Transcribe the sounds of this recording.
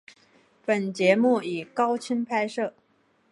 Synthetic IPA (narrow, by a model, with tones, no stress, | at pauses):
pə˨˩nt͡ɕjɛ˧˥mu˥˩i˨˩kɑ˥ʊt͡ɕʰi˥npʰa˥ɪʂɤ˥˩